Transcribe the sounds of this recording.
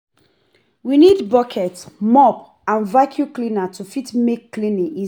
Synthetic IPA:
winidbɔkʰɛtmɔp | ãnvakʰjuklinatʰufitmekːlĩnĩi

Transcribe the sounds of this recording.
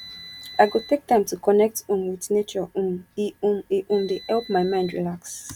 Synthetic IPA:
aɪɡotʰek̚tãɪ̃mtukɔnɛk̚tũmwɪθnet͡ʃɔ̃miiʔõmdehɛlp̚maɪmãɪ̃ndɹilaks

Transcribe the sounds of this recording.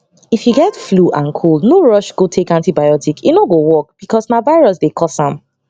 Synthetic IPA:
ifjuɡɛtfluʔãnkʰulˠnoɹɔʃɡ̥otʰekãntibajɔtikʰinoɡowɔk̚b̥ikʰɔsnavaɪɹɔsdekʰɔsãm

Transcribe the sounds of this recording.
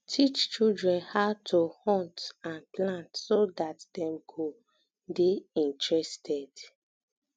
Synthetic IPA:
tʰit͡ʃt͡ʃuldɹɛ̃nhatʰuhɔ̃ntãnplãntsodatdɛ̃mkʰu | biĩntɹɛstʰɛd̥

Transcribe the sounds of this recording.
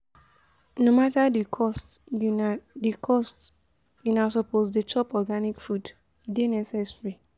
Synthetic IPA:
nomatadikʰɔst | dikʰɔst | junas̬ɔposdet͡ʃɔpɔɡanikfud | denɛsɛsɹi

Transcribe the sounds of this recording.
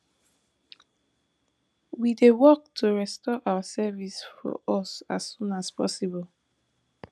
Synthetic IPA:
widewɔk̚tʰoɹɛstɔʔawasɛvisfɔ̰ʔɔsasːũnaspɔ̰sibɔl

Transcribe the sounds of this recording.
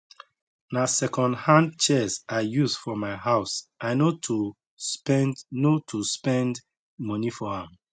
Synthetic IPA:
nasɛkɔ̃ndhãndt͡ʃɛzajuzfɔmaɪhaʊsaɪnotʰu | pɛnnotʰuspɛ̃nd | mɔnifɔhãm

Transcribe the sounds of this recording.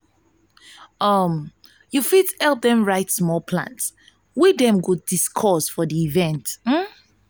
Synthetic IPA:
ʌm | jufithɛlˠp̚dɛ̃mɹaɪtsmɔlˠpʰlã̰ns | widɛ̃mɡudiskʰɔsfɔdiːvɛ̃ntm̩

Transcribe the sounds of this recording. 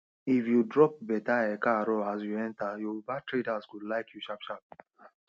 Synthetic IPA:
ifjudɾɔp̚bɛtaɛkaɾɔas̬juɛ̃ntajobatɾetaskudlaɪkʰjuʃapʃap̚

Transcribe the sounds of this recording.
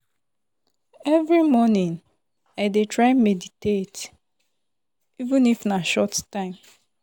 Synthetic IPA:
ɛvɹimɔnĩn | aɪdetʰɹaɪnmeditet | ivũnifnaʃɔttːãɪ̃m

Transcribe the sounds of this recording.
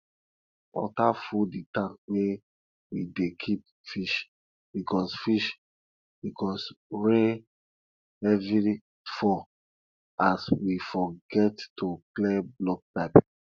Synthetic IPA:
wɔ̰tafuditãŋkwe | widekʰip̚ | fiʃ | bikɔsfiʃ | bikɔsɹe | ɛvi | fɔ | aswifɔɡɛttuklɛblɔk̚pap

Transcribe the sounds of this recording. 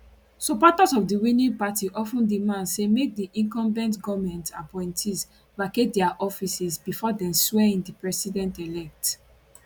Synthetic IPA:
sɔpɔtazɔfdiwĩnĩŋpatiʔɔfũndimãnsemek̚diʔĩŋkɔ̃mbɛ̃ntɡɔvmɛ̃ntapɔ̃ɪ̃ntʰiz | baket̚dɛaʔɔfisisbifɔdɛ̃mswɛĩndipɹɛsidɛ̃ntɛlɛk̚t

